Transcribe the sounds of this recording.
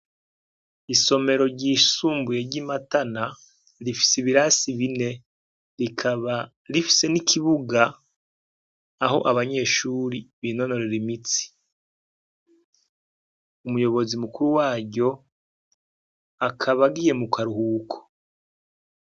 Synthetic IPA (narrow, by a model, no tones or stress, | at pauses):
iso̞me̞ɾo̞ɾɟisuːmbuje̞ɾɟimatana | ɾifi̥siβiɾaːsiβine̞ | ɾikʰaβa | ɾifi̥se̞nikʰiβuɡa | ɦo̞̰ʔaβaɲe̞ːʃuːɾiβiːno̞no̞ɾe̞ɾimit͡si̥ | umujo̞βo̞zimukuɾuwaːɟo̞ | akʰaβaɡije̞mukʰaɾuhukʰo̥